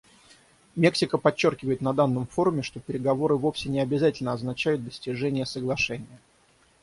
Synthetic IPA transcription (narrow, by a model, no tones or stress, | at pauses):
mʲe̞ksʲɪkəpɐt͡ɕːo̞rkʲɪvəjɪt̪nɐd̪anːəmfo̞ɾʊmʲɪʂt̪o̞pʲɪɾʲɪɡɐvo̞ɾɨvo̞fsʲɪnʲɪɐbʲɪzatʲɪlʲnəɐznɐt͡ɕæjʊt̪̚d̪əsʲtʲɪʐɛnʲɪjəsəɡlˠɐʂɛnʲɪjə